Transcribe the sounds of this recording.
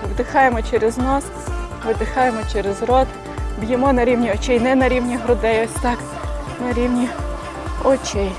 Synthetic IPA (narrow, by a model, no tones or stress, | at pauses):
wd̪ɪxɑjemɔt͡ʃɛɾeznɔs | ʋɪd̪ɪxɑjemɔt͡ʃɛɾezrɔd̪ | bjɪmɔnɐɾʲiwnʲiɔt͡ʃʲɛjnɛnɐɾʲiwnʲiɦɾʊd̪ɛjɔsʲt̪ɑk | nɐɾʲiwnʲi | ɔt͡ʃʲɛj